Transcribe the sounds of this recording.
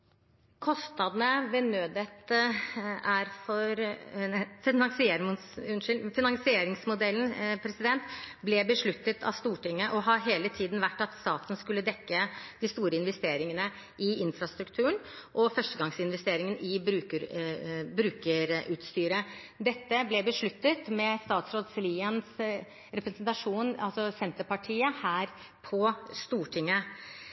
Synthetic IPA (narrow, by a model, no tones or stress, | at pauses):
kʰɔst̪ɑd̪nəʋɛnøːd̪ət̪ | æɾfɔɾ | fɪnɑŋsɪeːɾsʉnʂɪlfɪnɑŋsɪeːɾɪŋsmʊd̪ɛln̩pʰɾɛsɪd̪ɛnt̪blɛbəʂɭʉt̪ːət̪ʰɑ̰ʋst̪uːʈɪŋːəʔɔɦɑɦeːlət̪ʰiːd̪n̩ʋæʈːɑt̪st̪ɑːt̪n̩skʉlːəd̪ɛkːəd̪ɪst̪uːɾəɪnʋɛst̪eːɾɪŋənə | ʔɪɪnfɾɑst̪ɾʉkt̪ʰʉːəɳʔɔfœʂʈəɡɑŋsɪnʋɛst̪eːɾɪŋənɪbɾʉːkəɾbɾʉːkəɾʉːt̪st̪yːɾə | d̪ɛt̪ːəblɛbəʂɭʉt̪ːət̪mɛst̪ɑːt̪sɾoːd̪sliːəns | ɾɛpɾɛsnt̪ɑʂuːnɑlsɔsɛnt̪əpɑʈʰiːəhæːɾ | pʰɔst̪uːʈʰɪŋːə